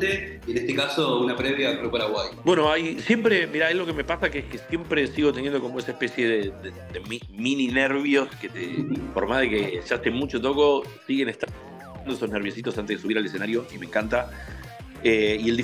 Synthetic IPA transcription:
t̪e | enest̪ekasounapɾeβjakɾupaɾaɣwajbwe̞no̞ajsje̞mpɾemiɾaelo̞keme̞pasakeeskesje̞mpɾe̞siɣo̞t̪enjend̪o̞komoesaespe̞sje̞ðeðed̪emi | minineɾβjo̞sket̪ḛfoɾmaðekeseasemut͡ʃot̪̬o̞ko̞siɣe̞nest̪ | and̪oeso̞sneɾβ̞josit̪o̞sant̪eðesuβiɾalesenaɾjo̞imẽ̞ŋkant̪a | eie̞ld̪i

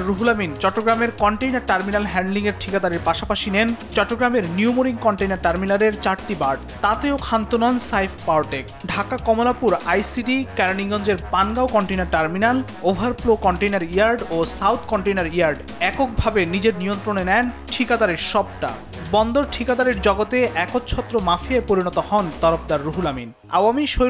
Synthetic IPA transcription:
ɾuɦulamint͡ɕɔʈːoɡɾameɾkɔɳʈejnaɾʈaɾminalɦɛɳɖliŋeɾʈʰikad̪aɾeɾpaʃapaʃinent͡ɕɔʈːoɡɾameɾniumoɾiŋkɔɳʈejnaɾʈaɾminaleɾt͡ɕaɾʈibaɾɖt̪at̪eokʰant̪onɔnsajfʰpawʈekɖʱakakɔmolapuɾajsiɖikɛɾoniŋɡɔnd͡ʑeɾpanɡaokɔɳʈejnaɾʈaɾminal | obʱaɾpɾokɔɳʈejnaɾijaɾɖosawt̪ʰkɔɳʈejnaɾijaɾɖ | ɛkok̚bʱabenid͡ʑeɾnijont̪ɾonenɛnʈʰikad̪aɾeɾʃɔb̚ʈa̰ | bɔnd̪oɾʈʰikad̪aɾeɾd͡ʑɔɡot̪eʔɛkot̪t͡ɕʰɔt̪ːɾomafiaepoɾinɔt̪ohɔnt̪ɔɾofd̪aɾːuɦulamin | awamiʃo

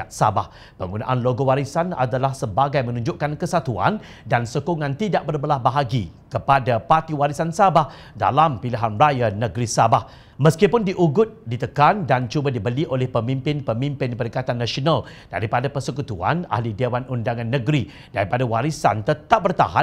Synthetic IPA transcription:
aʔsa̰bah | pəŋɡuna̰ʔanloɡowaɾisana̰dalahsəbaɡajmə̃nũɲd͡ʒʊʔkankəsat̪ua̰n | dansokoŋãnt̪idaʔbərbəlahbaɦaɡḭ | kəpadapart̪iwaɾisansabah | da̰lampiliɦanrajanəɡɾisabah | mə̃skipʊndiʔuɡʊt̪̚dit̪əkandant͡ʃubadibəliʔolɛhpəmimpɪnpəmimpɪnpəɾikat̪anːãsionalda̰ɾipadapərsəkut̪ua̰na̰hlidewanundaŋãnːə̃ɡɾi | daɾipadawaɾisa̰nt̪ət̪ap̚bərt̪a̰ɦa

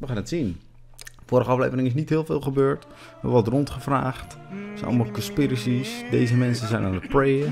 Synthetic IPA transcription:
ʋəχaːnətsin | fʊːɾəχəɑflḛjvəɾɪŋɪs̬nitɦɪːlˠfɪ̰ːlˠχəbøːɹt | ma̰ʋɔtrɔntχəfra̰ːχtsɛ̰nɔ̰lˠmɔlˠkɔnspiɾəsisdeːzəmɛnsəzɛjnanət̚prejə

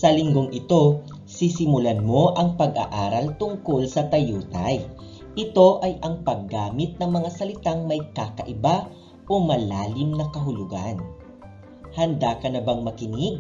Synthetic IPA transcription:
sɐlɪŋɡo̞ŋɪt̪o̞ | sisɪmʊlɐnmo̞ʔɐŋpɐɡɐ̰ʔaːɾɐlt̪ʊŋko̞lsɐt̪ɐjuːt̪ɐj | ʔɪt̪o̞ʔɐjʔɐŋpɐɡːaːmɪt̪̚nɐŋmɐŋasɐlɪt̪aŋmɐjkakɐʔɪba | ʔo̞mɐlaːlɪmnɐkɐɦʊlʊɡa̰n | hɐnd̪akɐnɐbɐŋmɐkɪnɪɡ̚

